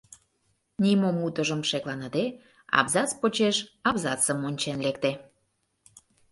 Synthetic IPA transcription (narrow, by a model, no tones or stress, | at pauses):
nimomut̪əʒəmʃeklɑnəd̪e | ɑ̰bzɑt͡spot͡ɕeʃɑβzɑt͡səmonʲt͡ɕenlek̚t̪e